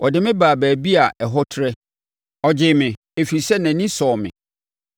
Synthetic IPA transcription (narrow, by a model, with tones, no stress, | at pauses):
ʔɔ˨dɪ˨mɪ̃˦baː˨bæː˨bi˦a˨ʔɛ˨ɦɔ˦tʰɾɛ˦ | ɔ˨d͡ʑɪ˨mɪ̃˨ | e˨fi˨sɛ˦næ̃˨nĩ˦sɔː˨mɪ̰̃˨